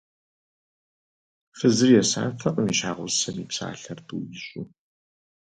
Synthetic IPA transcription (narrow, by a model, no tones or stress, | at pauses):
fɨzɨrjɛsa̰ːtʰɐʔʼəmiʃaːʁʷʊzsɐmiːpsa̰ːɬɐrtʰuwjɪɕʷʼu